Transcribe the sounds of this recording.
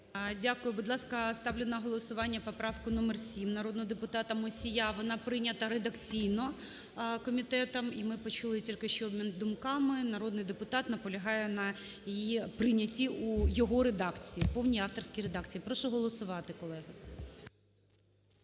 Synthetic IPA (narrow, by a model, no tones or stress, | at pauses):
dʲakʊjʊbʊd̪lˠɑskɐst̪ɑwlʲɪnɐɦɔlˠɔsʊʋɑnʲːɐpɔpɾɑʋkʊnɔmɛrsʲimnɐɾɔd̪nɔɦɔd̪epʊt̪ɑt̪ɐmɔsʲijaʋɔnɑpɾɪnʲɐt̪ɐɾed̪ɐkt͡sʲijnɔ | kɔmʲit̪ɛt̪ɐmimɪpɔt͡ʃulˠɪtʲilʲkɪʃt͡ʃɔɔbmʲind̪ʊmkɑmɪnɐɾɔd̪nɪjd̪epʊt̪ɑt̪nɐpɔlʲɐɦɑjɛnɐjjipɾɪnʲɐtʲiujɔɦɔɾed̪ɑkt͡sʲijipɔwnʲijɑft̪ɔrsʲkʲijɾed̪ɑkt͡sʲijipɾɔʃʊɦɔlˠɔsʊʋɑt̪ɪkɔlˠɛɦɪ